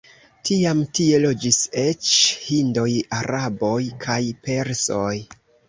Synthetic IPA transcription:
tʰiamtie̞lo̞d͡ʒise̞t͡ʃhindo̞jaɾabo̞jkʰajpe̞ɾsoj

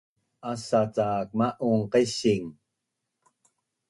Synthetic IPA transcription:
asat͡saːk̚maʔuɴqeɕiŋ

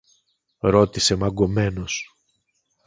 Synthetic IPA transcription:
ɾo̞t̪ise̞mɐɡo̞me̞no̞s

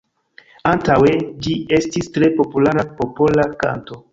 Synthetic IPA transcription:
antawe̞d͡ʒie̞stistɾe̞po̞pulaɾapo̞po̞laka̰nto̞

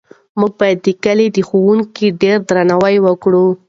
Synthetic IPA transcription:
muɡ̚bɑjad̪ːəkəled̪əxowuŋkiɖeɾd̪ɾanawajwəkɽu

